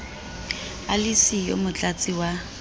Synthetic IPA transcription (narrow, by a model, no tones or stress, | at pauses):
alisijo̰mʊt͡ɬʼat͡sʼɪwa